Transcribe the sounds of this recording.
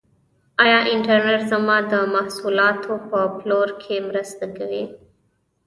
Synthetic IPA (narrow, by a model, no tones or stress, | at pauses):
ajaːʔɪɳʈəɾnəɾzəmãːd̪əmɐhsuːlaːt̪ʰopəploːɾkʰeːmɾəst̪ɡəʋeː